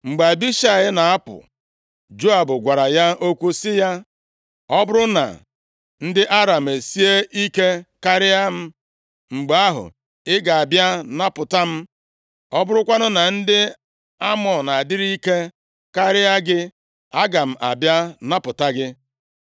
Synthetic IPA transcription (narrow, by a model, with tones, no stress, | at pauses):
ŋ͡m̩˨ɡ͡ba˨bi˦ʃa˨ɪ˦na˨a˦pʊ̰˨ | d͡ʒo˦a˨bʊ˨ɡʷa˨ɾa˨ja˦o˦kʷu˦sɪ˦ja˦ | ɔ˦bʊ˦ɾʊ˦na̰˨ | n̩˦dɪ˦ʔa˦ɾa˨m̩˨e˨si˦e˦ʔi˦ke˦ka˦ɾɪ˦a˦m̩˦ | ŋ͡m̩˨ɡ͡ba˦ɦʊ̰˨ | ɪ˦ɡa˨a˨bja˦na˦pʊ˨ta˦m̩˦ | ɔ˦bʊ˦ɾʊ˦kʷa˦nʊ˦na˨n̩˦dɪ˦ | a˦mɔ˨na˨dɪ˦ɾi˦i˦ke˦ | ka˦ɾɪ˦a˦ɡɪ˦ | a˦ɡa˨m̩˨ʔa̰˨bja˦na˦pʊ˨ta˦ɡɪ˦